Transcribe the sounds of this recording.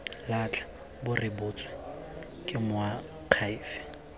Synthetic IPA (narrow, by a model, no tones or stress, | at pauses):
lat͡ɬʰʼḁ | bʊrɪbʊːt͡sʼɔ̥ | kʼɪmʊa | q͡χʰaɪːfɛ̥